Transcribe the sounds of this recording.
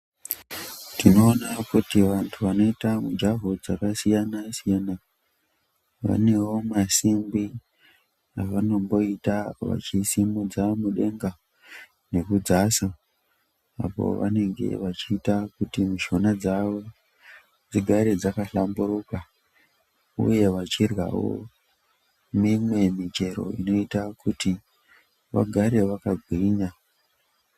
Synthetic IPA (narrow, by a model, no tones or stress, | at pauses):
tino̞ːnakutiʋantʰuʋano̞itamud͡ʒaɦud͡zakasijanasijana | ʋa̰ne̞wo̞masimbi | aʋano̞mbo̞itaʋa̰t͡ʃisimud͡zaomuɗe̞ŋɡa | ne̞kud͡zasa | a̰po̰ʋa̰ne̞ŋɡe̞̰ʋat͡ʃiːtakutimiʃo̞nad͡zaʋo̞ | d͡ziɡʱaɾe̞d͡zakaɬamburuka | ṵje̞ʋat͡ʃirwa̰wo̰ | mimwe̞mit͡ʃe̞ɾo̞̰ḭno̞itakuti | ʋa̰ɡʱaɾe̞ʋakaɡʱwiːɲa